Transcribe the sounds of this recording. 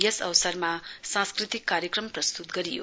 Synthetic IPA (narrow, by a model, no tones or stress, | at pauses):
jesʌ̰wsʌɾmasãskɾit̪ikːaɾjʌkrʌmprʌst̪ut̪ɡʌɾijo̰